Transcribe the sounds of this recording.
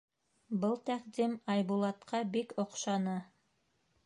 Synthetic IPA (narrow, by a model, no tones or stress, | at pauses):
bɤlˠt̪æqd̪imɑjbulˠɑt̪qʰɑbikŏqʃɑnɤ